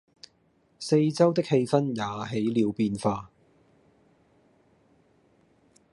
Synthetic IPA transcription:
se˧jt͡sɐ˥wt̪ɪ˥k̚he˧jfɐ˥njaː˨˧ɦe˨˥jliː˨˧wpiː˧nfaː˧

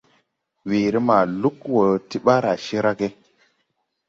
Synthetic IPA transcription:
weː˨ɾi˦ma˨lu˦kwo˨ti˦ɓa˦ɾa˨ʃi˦ɾa˦ke˦

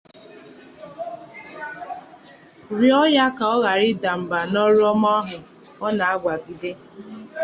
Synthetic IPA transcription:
ɾi˦ɔ˦ja˦ka˨ɔ˦ɣa˨ɾɪ˦da˨m̩˨ba˨nɔ˦ɾɔ˦mɔ˦ɔ˦ɦʊ˨ | ɔ˦na˨a˦ɡʷa˨bi˨de˦

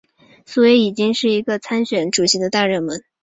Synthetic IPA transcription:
su˥˩we˧˥ɪi˨˩t͡ɕi˥ŋʂɻ̩˥˩i˧˥ɡə˧t͡sʰa˥nɕɥɛ˨˩˥nʈ͡ʂu˨˩ɕi˧˥d̪ə˧t̪a˥˧ɻə˥˩nmə˧˥˦n

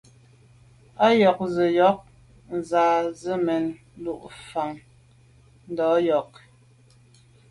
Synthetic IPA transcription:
a˦jɔ˨k̚zə˨jɔ˨˦k̚ | n̩˨zaː˨zə˦mɛ˨n | lu˨ʔfa˨ŋ | n̩˦˨dɔː˨˦jɔ˨k̚

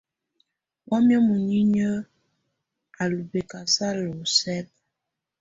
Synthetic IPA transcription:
wɔ˦mjə˦mu˨ɲi˦ɲə˦ | a˨lu˨be˨ka˨sa˦lo˨sɛ˦k̚

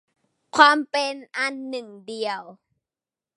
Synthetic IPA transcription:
kʰwaː˧˥˨mpe˧nʔa˧˥nːɯ˨˩ŋdi˨˩əw

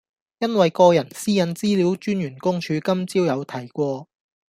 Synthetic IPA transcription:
jɐ˥nwɐ˨jkɔː˧jɐ˨˩nsiː˥jɐ˨˥nt͡siː˥liː˨˥wt͡ʃyː˥njyː˨˩nkʊ˥ŋt͡ʃʰyː˨˧kɐ˥mt͡siː˥wjɐ˨˧wt̪ʰɐ˨˩jkʷɔː˧

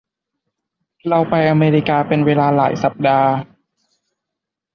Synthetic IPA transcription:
ɾa˧wpa˧jʔaː˧meː˧ɾiː˧kaː˧pe˧nweː˧laː˧laː˩˦jsa˨˩p̚daː˧

